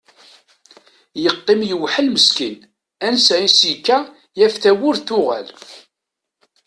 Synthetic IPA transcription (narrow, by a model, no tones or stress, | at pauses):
jəqːɪmjəwħəlməskin | ænsæisikːæ | jæfθæwʊɾθʊʁæ̰l